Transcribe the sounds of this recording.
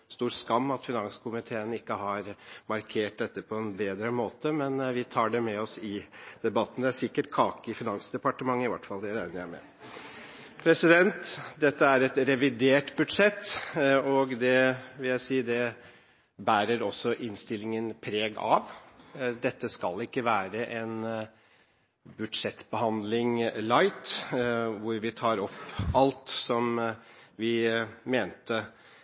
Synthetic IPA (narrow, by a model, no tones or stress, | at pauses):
st̪uːɾskɑmːɑt̪fɪnɑŋskʊmɪt̪ʰeːənɪkːəɦɑɾmɑɾkʰeːʈ̚d̪ɛt̪ːəpʰɔɛnbeːd̪ɾəmoːt̪əmɛnʋɪt̪ʰɑːɖɛmɛɔsɪd̪̥ɛbɑt̪ːn̩d̪ɛæsɪkːəʈkʰɑːkəfɪnɑŋsd̪ɛpɑʈəmɑŋːəɪʋæ̰ʈfɑld̪ɛɾæɪnəɾæmɛ̰ | pʰɾɛsɪd̪ɛnt̪d̪ɛt̪ːəæɾɛt̪ɾɛʋɪd̪eːʈbʉd̪ʂɛt̪ːɔɡd̪ɛʋɪljæɪsiːd̪ɛ | bæːɾəɾɔsɔʔɪnst̪ɪlɪŋənpʰɾeːɡɑ̰ʋd̪ɛt̪ːəskɑ̰lɪkːəʋæːɾəʔen | bʉd̪ʂɛt̪ːbəɦɑnd̪lɪŋlɑɪt̪ | ʋʊɾʋɪt̪ʰɑːɾɔpːɑlt̪sɔmʋɪmeːnt̪ə